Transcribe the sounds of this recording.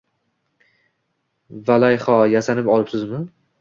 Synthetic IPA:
valajχɒjasanɪpɒlˠɪpsɪzmɪ

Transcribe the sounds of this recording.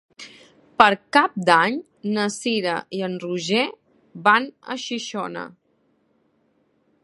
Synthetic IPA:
pəɾkap̚d̪aɲ | nəsiɾə̰ʔiənruʒe | banə̰ʃiʃɔnə̰

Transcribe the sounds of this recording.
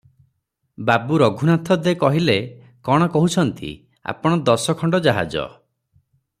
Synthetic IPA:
babuɾɔɡʱunat̪ʰɔd̪ekɔɦile | kɔɽ̃ɔkɔɦut͡ʃʰɔnt̪ḭ | a̰pɔɽ̃ɔd̪ɔsɔkʰɔɳɖɔd͡ʒaɦa̰d͡ʒɔ̰

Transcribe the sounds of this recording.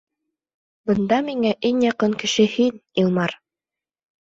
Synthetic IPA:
bɤ̆nd̪ɑmiŋæʔiŋjɑqɤŋkɘ̆ʃɘhinilˠmɑɾ

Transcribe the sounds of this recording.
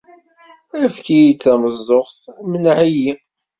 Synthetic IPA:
æfkijit͡sːæməzˤːoχθmənʕiji

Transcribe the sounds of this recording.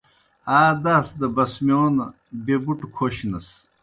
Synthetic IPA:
aːd̪asd̪ɐbɐsmjoːnɐ | bebuʈukʰoɕinɐs

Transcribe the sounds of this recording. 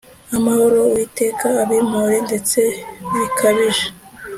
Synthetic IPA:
amaho̞ɾo̞wiːte̞ːkʰaːβim̥uɾe̞nde̞t͡se̞ikʰaβiʒe̥

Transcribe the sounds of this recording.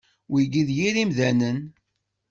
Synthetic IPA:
wiɡiðjiɾimðænən

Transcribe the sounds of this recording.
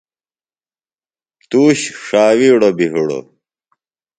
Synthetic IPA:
t̪uːɕʂaːwiːɽobiɦiɽo̰

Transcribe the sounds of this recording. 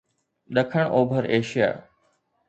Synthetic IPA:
ɗɐkʰəɽ̃ʔoːbʱəɾeːʃija̰ː

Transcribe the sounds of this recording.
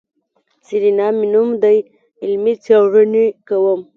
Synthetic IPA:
siɾinɑmɪnumd̪aj | ɪlmit͡sawʐənikawəm

